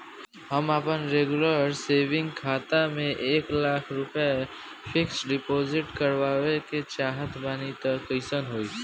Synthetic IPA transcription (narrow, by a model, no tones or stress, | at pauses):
ɦəmaːpənɾeːɡʊləɾseːʋɪ̃ŋɡkʰaːt̪amẽʔeːklaːkʰɾʊpəe | pʰɪksɖɪpoːzɪʈkəɾʋaːweket͡ʃaːɦət̪ʰbaːnit̪əkːəɪsənɦoːiː